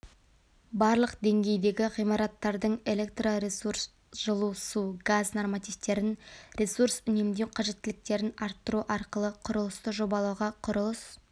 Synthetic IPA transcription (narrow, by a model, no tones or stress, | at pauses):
bɑɾlˠəqd̪e̞ŋɡʲe̞jd̪e̞ɡʲɪʁijmɑɾɑt̪ːɑɾd̪əɴe̞le̞k̚t̪roɾesurs | ʒ̥əlˠusuɡaznormat̪ijft̪e̞ɾɪnɾʲe̞suɾsʏne̞md̪ewqʰɑʒe̞t̪ːɪlɪk̚t̪e̞ɾɪnɑɾt̪ːəɾuʔɑɾqəlˠəqʰʊɾəlˠəst̪əʒo̞bɑlˠɑwʁɑqʰʊɾəlˠəs